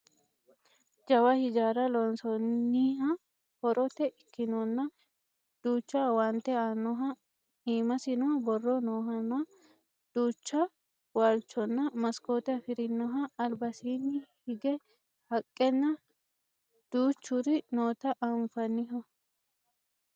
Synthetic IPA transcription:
d͡ʒɐwɐhɪd͡ʒaːɾɐlɔnsɔnːiːhɐ | hɔɾɔt̪ɛʔɪkːɪnɔnːɐ | d̪̥uːt͡ʃːawant̪ɛanɔɦɐ | iːmɐsɪnɔɐbɔrːɔnoːɦɐnɐ | d̪̥uːt͡ʃːɐ | waːlt͡ʃːɔnːɐmɐskoːt̪ɛɐfɪɾɪnːɔɦɐːlbɐsiːnːɪhɪɡɛ | hɐkʼːɛnːɐ | d̪̥uːt͡ʃːʊɾɪnoːt̪ɐʔɐmfɐnːɪɦɔ

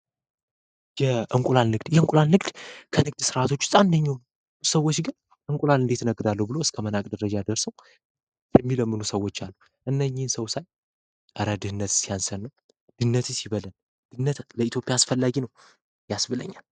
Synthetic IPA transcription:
jɛʔɨŋkʼulanːɨɡd̪jɛɨŋkʼulanːɨɡd̪̥kʰənɨɡd̪sɨɾʔat̪ʰo̞t͡ʃːu̥sʼand̪əɲːaw | səwːot͡ʃːɡɨn | ʔɨŋkʷʼulanɨnd̪e̞t̪ʰnəɡɨd̪alːəhubɨlo̞ɨskʰəmənakʼd̪əɾəd͡ʒad̪əɾsəw | jɛmːiləmːɨnusəwːot͡ʃːalːu | ʔɨnːəɲːɪnsəwsaj | ʔəɾəd̪ɨhɨnːət̪sijansənːəw | d̪̥ɨɨnːət̪ʰsiβələl | d̪̥ɨnːət̪ləit̪jo̞pʼjaːsfəlːaɡinəw | jasbɨlə̰ɲːal

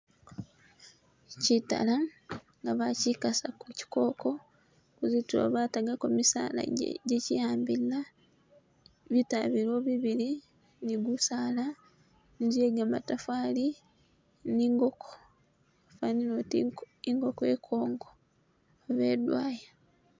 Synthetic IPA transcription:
cita̰laŋɡaβacikasakuci̥ko̞ːko̞ | kuzitulo̰βaːtaɡakomisa̰ːla̰ɟ̰ɟecijaːmbila | βitaβiɾo̞βiβiɾi | niɡusaːla | nid͡ʒeɡamatafaːli | niŋɡokʰo̥ | faninot | iŋɡo̞koekʰo̞ːŋɡoː | βeːdwaːja

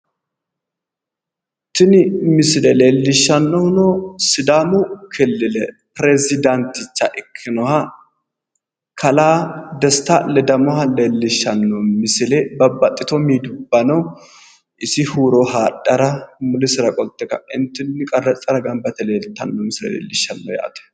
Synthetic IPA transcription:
t̪ːɪnɪmɪsɪlɛleːlːɪʃːɐnːɔnɔsɪd̪aːmʊkʰɛlːɪlɛ | pɾɛzɪd̪ɐnt̪ɪt͡ʃːɐʔɪkʰːɪnɔhɐ | kʰɐlaːd̪ɛst̪ɐlɛd̪ɐmɔhɐleːlːɪʃːɐnːɔmɪsɪlɛbɐbːɐt̪ʼːɪt̪ɔmiːd̪ʊbːɐnɐw | ɪsɪhuːɾɔɦaːɗʼːɐɾɐmʊlɪsɪɾɐkʼɔlt̪ːɛkɐ̰ɪnt̪ːɪnːɪkʼɐrɐt͡sʼːɐɾɐɡɐmbɐt̪ɛleːlt̪ːɐnːɔmɪsɪlɛ̰lḛːlːɪʃːɐnːɔ̰ja̰ːt̪ɛ̥

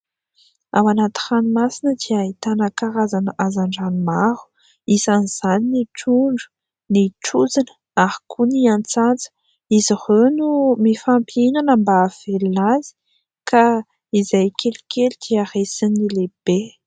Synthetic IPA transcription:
a̰wanat̪i̥xanimasinəd̪iait̪anəkaɾazanəʔazaɳɖ͡ʐanimaɾu̥ | isaniz̥aniniʈ͡ʂuɳɖ͡ʐu̥ | niʈ͡ʂud͡zinə̥ | aɾi̥kʰuniant͡sant͡sə̥ | izihenumifampinanəmbaːv̥ellazi̥ | kʰa | izajkʰelikʲelid̪̥iaɾesinileb̥e

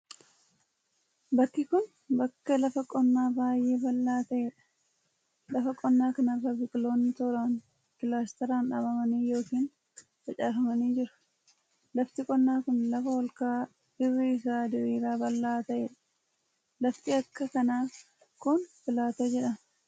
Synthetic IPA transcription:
bɐkːɪkʊn | bɐkːɐlɐfɐkʼɔnːaːbaːjʔe̞ːbɐlːaːt̪ɐʔeːᶑɐ̥ | lɐfɐkʼɔnːaːkɐnɐrɐbɪkʼlo̞ːnːɪt̪oɾaːn | kɪlaːst̪ɐɾaːnᶑaːbɐmɐniːjo̞ːkiːn | fɐt͡ʃʼaːfɐmɐniːd͡ʒɪɾʊ̥ | lɐft̪ɪkʼɔnːaːkʊnlɐfɐwɔlkaː | ɪrːɪɪsaːd̪ɪɾiːɾaːbɐlːaːt̪ɐʔeːᶑɐ̥ | lɐft̪ɪɐkːɐkɐnaː | kʊnfɪlaːt̪od͡ʒɛᶑɐn

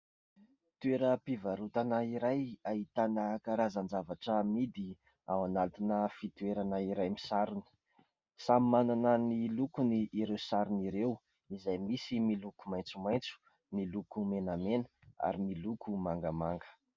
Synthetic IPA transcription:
t̪ueɾəpivaɾut̪anaiɾajaɦit̪anəkaɾazand͡zavaʈ͡ʂəmid̪i | awanat̪inəfit̪ueɾanaiɾajmisaɾun̥ | samimananənilukuniʔiɾewsaɾuniɾew | izajmisimilukumajnt͡sumaj̃nt͡su̥ | nilukumenamenə̥a̰ɾimilukumaŋɡəmaŋɡə̥

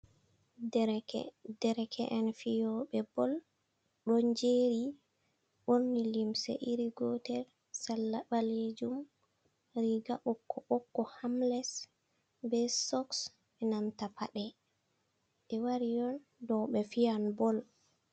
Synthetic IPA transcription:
dɛɾɛkʰɛʔɛnfiɔɓɛbɔl | ɗɔɲd͡ʒeɾi | ɓonːilimsɛ̰ʔiɾiɡɔtɛɾ | salːabaled͡ʒum | ɾiɡaʔɔkːɔʔɔkːɔhamlɛs | bɛsɔks | ɛnantapʰa̰ɗɛ | ʔɛwaɾijɔn | dɔɓɛfijanbɔl

